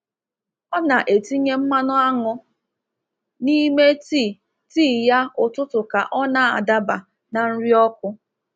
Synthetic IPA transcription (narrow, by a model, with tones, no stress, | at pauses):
ɔ˦na˨ʔe˨ti˦ɲe˦m̩˦ma˦nʊ˦a˦ŋʊ˦ | ni˦me˦ti˦˨ | tiː˦ja˦ʊ˨tʊ˦tʊ˨ka˨ʔɔ˦na˨a̰˨da˦ba˨ | na˨n̩˦ɾi˦ɔ˦kʷʊ˦